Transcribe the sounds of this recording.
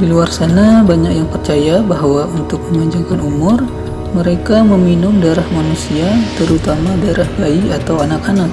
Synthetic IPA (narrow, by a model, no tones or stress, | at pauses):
diluarsanabaɲakjaŋpərt͡ʃajabaɦwaunt̪ʊk̚məmaɲd͡ʒaŋkanumʊr | məɾekaməminʊmdaeɾahmanusiat̪əɾut̪amadaeɾahbaiat̪awanakanak̚